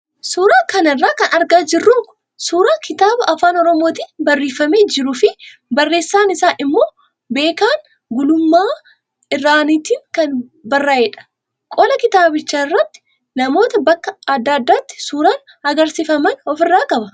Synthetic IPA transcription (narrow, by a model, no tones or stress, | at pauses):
suːɾaːkɐnɪrːaːkɐnɐɾɡaːd͡ʒɪrːuŋkʊ̥ | suːɾaːkɪt̪aːbɐʔɐfaːnɔɾɔmoːt̪iːnbɐrːiːfɐmeːd͡ʒɪɾʊfɪ | bɐrːe̞ːsːaːnɪsaːʔɪmːo̞ː | be̞ːkaːn | ɡʊlʊmːaː | ɪrːaːniːt̪iːŋkɐnbɐrːaːeːᶑɐ̥ | kʼɔlɐkɪt̪aːbɪt͡ʃːaːɪrːɐt̪ːɪ̥ | nɐmo̞ːt̪ɐbɐkːɐɐd̪ːaːd̪ːaːt̪ːɪ̥suːɾaːn | ɐɡɐɾsɪfɐmɐnɔfɪrːaːkʼɐbɐ